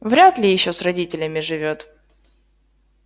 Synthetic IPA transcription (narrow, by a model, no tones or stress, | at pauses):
vɾʲat̪lʲɪjɪɕːo̞srɐdʲitʲɪlʲəmʲɪʐɨvʲo̞t̪